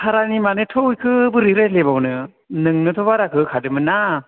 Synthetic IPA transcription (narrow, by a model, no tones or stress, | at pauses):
kʰaɾanimanɯtʰojkʰɯbɯɾiɾajlebawnɯ | nɯŋnɯtʰɔbaɾakʰɯkʰadɯmɯna